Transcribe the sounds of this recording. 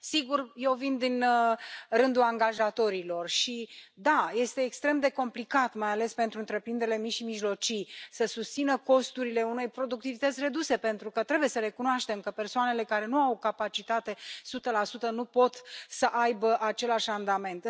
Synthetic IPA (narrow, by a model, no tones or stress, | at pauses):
siɡurje̞wvind̪in | rɨnd̪uaŋɡaʒat̪o̞ɾilo̞rʃid̪aje̞st̪e̞ːkst̪ɾe̞md̪e̞ko̞mplikat̪majale̞spe̞nt̪ɾuɨnt̪ɾe̞pɾind̪eɾele̞miʃimiʒlo̞t͡ʃijsəsust̪sinəko̞st̪uɾile̞une̞jpɾo̞d̪uk̚t̪ivit̪ət̪sʲre̞d̪use̞pe̞nt̪ɾukət̪ɾe̞buje̞səɾe̞kunoaʃt̪e̞mkəpe̞rsoane̞le̞kaɾe̞nuawkapat͡ʃit̪at̪e̞sut̪əlasut̪ənupo̞t̪səʔajbəʔat͡ʃe̞laʃʲand̪ame̞nt̪